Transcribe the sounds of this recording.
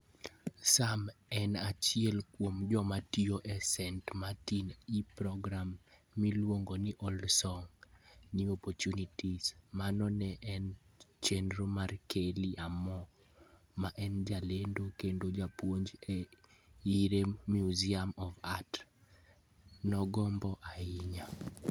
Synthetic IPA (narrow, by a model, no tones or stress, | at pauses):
samɛnat͡ʃɪɛlkwomd͡ʒɔmatioʔɛsɛntmatinipɾɔɡɾamːilwoŋɡonɪʔɔlsɔŋniɔpɔtunitismanɔnɛʔɛnt͡ʃendɾomarkʰeliʔamɔ | maʔɛnd͡ʒalendokendod͡ʒapwoɲd͡ʒɛ | iɾemjuziamɔvat | nɔɡɔmbɔʔaiɲa